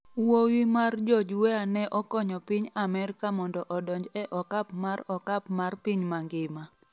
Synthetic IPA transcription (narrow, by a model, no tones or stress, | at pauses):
wowimard͡ʒɔd͡ʒwɛanɛʔɔkɔɲɔpiɲamɛɾkamɔndɔʔɔdɔɲd͡ʒɛʔɔkapmarɔkapmarpiɲmaŋɡɪma